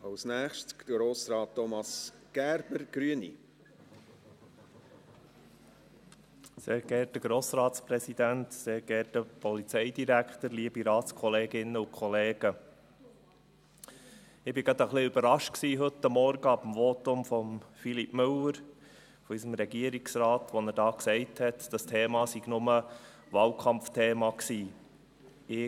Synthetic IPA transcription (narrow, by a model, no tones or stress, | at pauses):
ɑwsnæːχʃtd̥ɡɾoːsɾɑːtːɔmɑs | ɡ̥æːɾb̥əɾɡ̥ɾyənḭ | seːɾɡɛɾtəɡɾoːsɾɑːt̪spɾɛsid̪ænt̪seːɾɡɛɾtəpɔlit͡sɛɪd̪iɾækχt̪əɾliːəbiɾɑːt̪skʰɔleːɡɪnəʊkʰχɔleːɡ̥ə | ɪb̥ɪɡ̥ɾɑd̪əχlɪybəɾɑʃt̚ksiːɦɵt̪ːəmːɔɾɡəɑbəm̩ʋɔt̪ʊmfɔmfilipmɵləɾ | fɔisəmɾɛɡiəɾiksɾɑːt̪ʋɔnəɾdɑːksɛɪthɛtd̥ɑstʰeːmɑsiɡnʊmə | ʋɑːlkʰɑmftʰeːmɑksiː | ɪ